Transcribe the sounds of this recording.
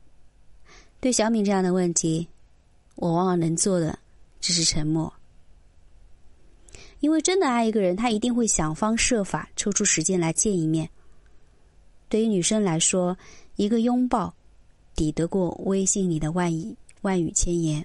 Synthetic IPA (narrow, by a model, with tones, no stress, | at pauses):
t̪we˥˩ɪɕjɑ˧˥ʊmi˧˥ŋʈ͡ʂɤ˥˧jɑ˥˩ŋd̪ə˩wə˥˩nt̪ʰi˧˥ | wɔ˨˩wɑ˧˥ŋwɑ˨˩nə˧˥ŋt͡swɔ˥˩d̪ə̰˩ʈ͡ʂ̩˥˧˩ʂ̬ɻ̩˥˩ʈ͡ʂʰə˧˥nmwɔ̰˥˩ | i˥nwe˥˧ɪʈ͡ʂə˥nd̪ə˨a˥˩ɪi˧˥ɡə˧ɻə˧˥nt̪ʰa˥i˧˥t̪i˥˧ŋxwe˥˩ɪɕjɑ˨˩ŋfɑ˥ŋʂɤ˥˩fa˨˩ʈ͡ʂʰo˥ʊʈ͡ʂʰu˥ʂɻ̩˧˥t͡ɕjɛ˥nla˧˥ɪt͡ɕjɛ˥˧ni˥˧mjɛ˥˩n | t̪we˥˩ɪy˧˥ny˨˩ʂɤ˥ŋla˧˥ɪʂwɔ˥i˧˥ɡə˧jʊ˥ŋpɑ˥˩ʊ | t̪i˨˩t̪ɤ˧˥kwɔ˥˧we˥ɪɕi˥˩ŋni˨˩d̪ə˦wa˥˩˨wa˥˩ny̰˨˩t͡ɕʰjɛ˥njɛ˧˥n